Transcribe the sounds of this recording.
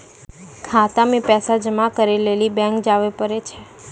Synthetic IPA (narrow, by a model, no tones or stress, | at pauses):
kʰat̪amipɛsad͡ʒəmakəɾelelibɛ̃ŋkd͡ʒaʋepəɾet͡ʃʰe